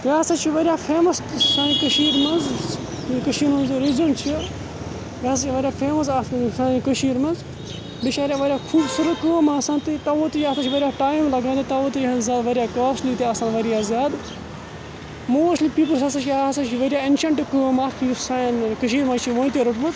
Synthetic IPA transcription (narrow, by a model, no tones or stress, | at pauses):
jaːsat͡ʃʰiʋɐɾjaːfʰeːmɐssãːĩkəʃiːɾmɐnz | kəʃiːɾmɐ̃nzɨɾizɐɳʈt͡ʃʰi | ʋʲaːs̬at͡ʃiʋɐɾʲjaːfʰeːmɐs̬sãːĩkəʃiːɾmɐnz | bɪʃaːɾjaːʋɐɾʲjaːkʰuːbsɨɾəkəːmaːsãːnt̪it̪ɐʋoːt̪iɐːsat͡ʃʰiʋɐɾʲjaːʈaːjimlɐɡãːd̪et̪ɐʋoːt̪izaːd̪ʋɐɾʲjaːkaːslit̪iasaːnʋɐɾjaːzʲjaːd̪ | moːʃliːpiːp̬əlsasat͡ʃʰiasat͡ʃʰiʋɐɾjaːɪnʃɐɳʈkəmaːkʰisankəʃiːɾmãːt͡ʃʰiʋõːnt̪iɾʊʈmɐz